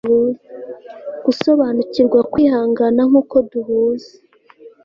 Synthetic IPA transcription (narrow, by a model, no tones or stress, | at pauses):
u | ɡ̥uso̞βanuciɾɡwakwiːhaːŋɡanaŋ̥uːko̞duɦuːze̥